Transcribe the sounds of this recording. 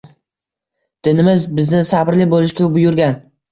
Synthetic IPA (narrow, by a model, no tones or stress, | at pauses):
d̪̥ɪnɪmɪzbɪznɪsabɾlɪbolˠɪʃkʲabʊjʊɾɡʲan